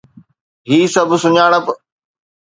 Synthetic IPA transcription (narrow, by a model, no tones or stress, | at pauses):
ɦiːsɐbʱsʊɲaːɽ̃əp